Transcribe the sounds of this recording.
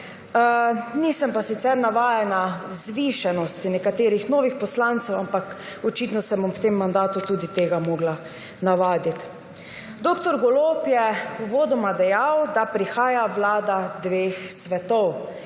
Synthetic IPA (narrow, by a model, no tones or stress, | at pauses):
niːsɛmpasit̪sɛɾnaʋaːjɛnazʋiʃanɔst̪inɛkat̪eːɾixnoːʋixpɔslant̪sɛwampak | ɔt͡ʃiːt̪nɔsɛbɔmwt̪emːand̪aːt̪ut̪uːd̪it̪eːɡamoːɡla | naʋaːd̪it̪ | d̪okt̪ɔɾɡɔloːpjɛuʋoːd̪ɔmad̪ɛjawd̪apɾixaːjaʋlaːd̪ad̪ʋeːxsʋɛt̪ɔw